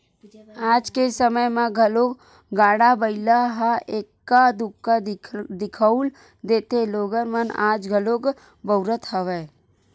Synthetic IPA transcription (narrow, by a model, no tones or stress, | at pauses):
aːd͡ʒkesəməjmãɡʱəlo | ɡaːɽabəɪlaɦaeːkːad̪ʊkːad̪ɪkʰəul | d̪eːt̪eloːɡənmənaːd͡ʒɡʱəloːɡ | bəʊɾət̪ɦəʋeː